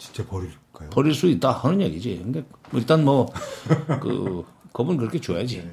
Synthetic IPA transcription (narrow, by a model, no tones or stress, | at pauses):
t͡ɕi̥nt͡ɕ͈epʌɾil | k͈ajopʌɾiɭs͈uit̚t͈ahanɯnɲjeɡid͡ʑiɯnɡeilt͈anmʌ | kɯ̰kɯbunkɯɾʌkʰet͡ɕojad͡ʑi